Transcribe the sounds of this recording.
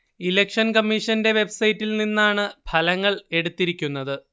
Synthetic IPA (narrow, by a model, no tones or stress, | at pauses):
ilekʂɐnkɐmːiʂɐnde̞ʋe̞bsɐjitːilninːaːɳɨbʰʱɐlɐŋːɐɭe̞ɽut̪ːiɾikʲːunːɐðɨ